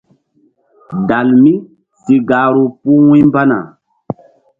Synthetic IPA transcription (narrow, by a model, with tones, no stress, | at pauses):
da˨lmi˦ | si˨ɡaː˨ɾu˨pu˦wũ˦mba˦na̰˨